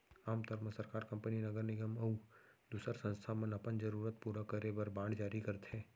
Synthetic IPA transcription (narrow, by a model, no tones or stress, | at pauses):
aːmt̪ɔɾməsɐɾkaːɾkɐ̃mpəninɐɡəɾnɪɡəmɐu | d̪uːsəɾsɐ̃nst̪ʰamə̃nɐpənd͡ʒɐɾuːɾət̪̚puːɾakəɾebɐɾbãːɳɖd͡ʒaːɾikɐɾt̪ɦɛ̃ː